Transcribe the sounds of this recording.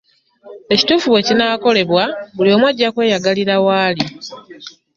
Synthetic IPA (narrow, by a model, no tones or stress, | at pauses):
e̞ci̥tuːfuβwe̞cinaːko̞le̞βwabulio̞mwaɟːakwe̞ːjaɡaliɾawaːli